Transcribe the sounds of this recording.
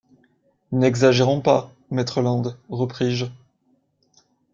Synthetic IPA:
nɛɡzaʒeʁɔ̃pa | mɛt̪χəlɑ̃d̪ʁəpχiʒ

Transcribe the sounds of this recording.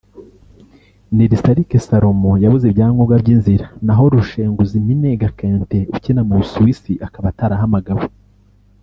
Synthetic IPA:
niɾistaɾikesaɾo̞mojaβuzebɟaːŋɡoɡabɟiːnziɾanaɦo̞ɾuʃeːŋɡuzimineɡakeːnteucinamuusuwisiʔakaβataɾaɦamaɡaβo

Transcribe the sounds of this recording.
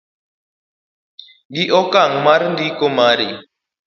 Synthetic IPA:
ɡiʔɔkaŋmaɾndikomaɾḭ

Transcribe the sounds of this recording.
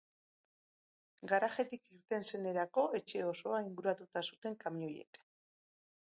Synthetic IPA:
ɡaɾaxe̞t̪ikiɾt̪e̞nse̞ne̞ɾako̞e̞t͡ʃe̞o̞so̞aiŋɡuɾat̪ut̪asu̥t̪e̞ŋkamiɲo̞je̞̰k

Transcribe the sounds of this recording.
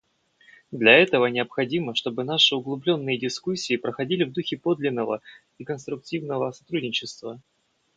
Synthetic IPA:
d̪lʲɐɛt̪əvənʲɪəpxɐdʲiməʂt̪o̞bɨnaʂɨʊɡlˠʊblʲo̞nːɨjədʲɪskusʲːiɪːpɾəxɐdʲilʲɪvd̪uxʲɪpo̞d̪lʲɪnːəvə̰ | ɪkənst̪ɾʊk̚tʲivnəvəsɐt̪ɾudʲnʲɪt͡ɕɪst̪və

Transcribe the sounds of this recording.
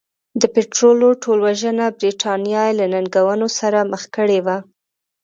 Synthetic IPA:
d̪əpɪʈɾoloʈʰolwaʒənabɾiʈʰɑnjɑjelananɡawənosaɾaməxkəɽewa

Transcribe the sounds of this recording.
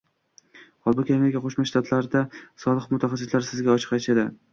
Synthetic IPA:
hɒlˠbʊkʲʰamʲeɾikʲaqʰoʃmaʃt̪ʰat̪ʰlaɾɪd̪asɒlˠɨqmʊt̪ʰaχɑsːɪt̪laɾsɪzɡʲaɒt͡ʃʰɨ̥qat͡ʃʰad̪ɪ

